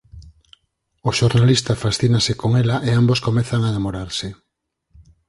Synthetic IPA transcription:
oʃoɾnalist̪afasθinasɪkoŋɛlaʔeamboskomɛθaŋaðemoɾaɾsɪ

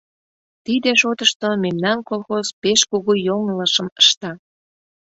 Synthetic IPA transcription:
t̪id̪eʃot̪əʃt̪omemnɑnkolˠxozpeʃkuɣujoŋələʃə̆məʃt̪ɑ

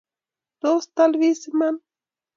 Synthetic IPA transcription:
d̪ost̪alβisɪman

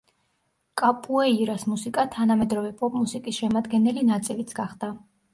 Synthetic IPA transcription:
kʼapʼuɛiɾasmusikʼat̪ʰanamɛd̪ɾɔvɛpʼɔpʼmusikʼisʃɛmad̪ɡɛnɛlinat̪sʼilit̪sʰɡaχd̪̥a

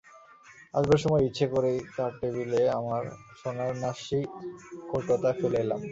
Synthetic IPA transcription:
a̰ʃbeɾʃɔmɔeitːɕʰekoɾejt̪aɾʈebileamaɾʃɔnaɾnaʃikoʈot̪afelela̰m

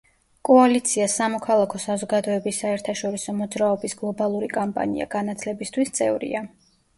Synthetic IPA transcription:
kʼɔalit̪sʰiasamɔkʰalˠakʰɔsazɔɡad̪ɔɛbisːaɛɾt̪ʰaʃɔɾisɔmɔd̪zɾaɔbisɡ̥lˠɔbalˠuɾikʼampʼa̰nḭa̰ɡ̥anat̪ʰlɛbist̪ʰwist̪sʼɛ̰vɾḭa

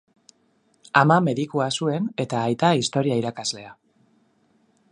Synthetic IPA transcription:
amame̞ðikuasue̞ne̞t̪aːjt̪aist̪o̞ɾiaiɾakazle̞a

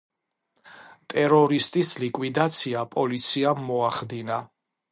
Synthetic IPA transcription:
t̪ʼɛɾɔɾist̪ʼislikʼwid̪at̪sʰiapʼɔlit̪sʰiamːɔaχd̪ina

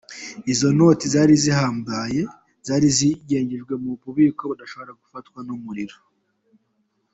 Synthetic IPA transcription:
izo̞no̞tizaːɾizihaːmbaje̞ | z̥aːɾiziɟe̞ːɲɟiʒɡwe̞mupuβikoβudaʃo̞βo̞ɾaɡ̥ufatkwanumuɾiɾo

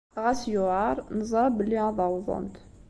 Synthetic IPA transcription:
ɣæsjʊʕɑɾˤnzˤɑbəlːiɑðˤɑwðˤʊ̰nt̪

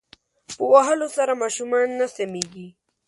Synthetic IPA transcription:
pəwaɦəlosaɾamaʃumɑnːasameɡi

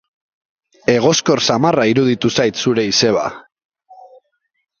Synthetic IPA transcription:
e̞ɣ̞o̞sko̞ɾsamaraiɾuðit̪usajt̪suɾe̞ise̞β̞a̰

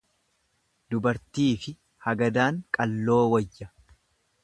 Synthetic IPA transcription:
d̪ʊbɐɾt̪iːfɪ | hɐɡɐd̪aːŋkʼɐlːo̞ːwɐjːɐ

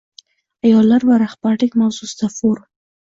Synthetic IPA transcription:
ajɑlaɾwaɾaxpaʈɪkmawsusd̪afoɾ

